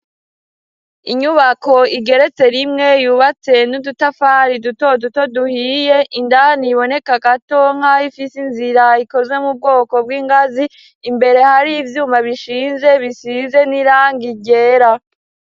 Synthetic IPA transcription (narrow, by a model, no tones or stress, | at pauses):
iɲuβako̞iɡe̞ɾe̞t͡se̞ɾimŋe̞juːβat͡se̞nudutafaɾiduto̞duto̞duhiːje̞ʔindaniβo̞ne̞kaɡatoŋ̥haifisinziɾaiko̞ze̞mub̚ɡo̞ːko̞bɡwiːŋɡaziː | mbe̞ɾe̞haɾiːvjuːmaβiʃiːnze̞βiʃize̞niɾaːŋɡiɟe̞ːɾa